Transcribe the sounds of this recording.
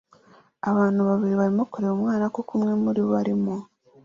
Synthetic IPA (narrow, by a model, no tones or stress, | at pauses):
aβaːnuβaβiliβalimukoleomwaːnakokumwemːulioβaɾimu